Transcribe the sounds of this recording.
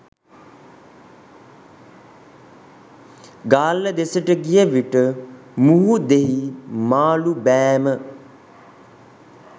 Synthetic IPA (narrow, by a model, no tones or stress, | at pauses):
ɡaːlːəd̪esəʈəɡijəʋiʈə | muɦud̪eɦimaːlubæːmə